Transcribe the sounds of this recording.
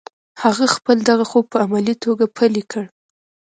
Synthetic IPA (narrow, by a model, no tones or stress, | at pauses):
haɣaxpəld̪aɣaxopəamalit̪oɡapʰəlikʰəɽ